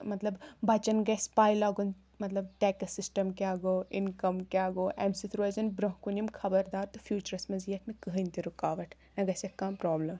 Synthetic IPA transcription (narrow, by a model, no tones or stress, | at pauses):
mɐt̪lɐbbɐt͡ʃɐnɡɐspaːjlaːɡun | mɐt̪lɐbʈɛːkɐsɪsʈɐmkeaːɡoːinkɐmkʲaːɡoːʔemsit̪ʰɾoːzɐnbɾoɦkunʲimkʰɐbɐɾd̪aːɾt̪ufjuːt͡ʃɐɾɐsmɐzijɐt̪ʰmẽkɐɦɨnʲt̪iɾukaːʋɐʈʰ | nɐɡɐsʲekːãːpɾɔːblɐm